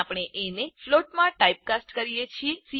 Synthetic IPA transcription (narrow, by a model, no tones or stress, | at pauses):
apɳ̃eʔenefloʈmãʈaip̚kasʈkəɾijet͡ʃʰiesi